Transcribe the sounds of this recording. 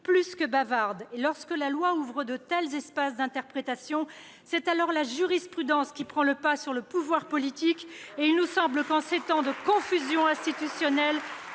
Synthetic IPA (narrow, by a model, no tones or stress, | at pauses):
plyskəbavaʁd̪elɔʁskəlalwauvʁəd̪ət̪ɛlzɛspasd̪ɛ̃t̪ɛʁpχet̪asjɔ̃ | sɛt̪alɔʁlaʒyʁispχyd̪ɑ̃skʲipχɑ̃ləpasyʁləpuvwaʁpɔlit̪ikeilnusɑ̃bləkɑ̃set̪ɑ̃d̪əkɔ̃fyzjɔ̃ɛ̃st̪it̪ysjɔnɛl